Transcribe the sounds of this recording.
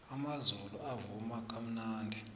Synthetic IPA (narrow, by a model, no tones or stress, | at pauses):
amazuluavumak̬ʰʼam̩naːndʱɛ